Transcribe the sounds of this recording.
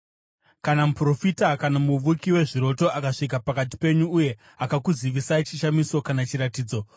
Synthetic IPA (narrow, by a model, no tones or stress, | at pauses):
kanamupro̞fitakanamuʋukiwe̞ʐiɾo̞to̞akaʂik̬apakat̬i̥pe̞ɲuːje̞ | akakuziʋisait͡ʃiʃamiso̞kanat͡ʃiɾatiːd͡zo̞